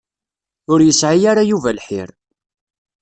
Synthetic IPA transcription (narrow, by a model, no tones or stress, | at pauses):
ʊɾjəsʕijaɾajuvælħɪ̰ɾ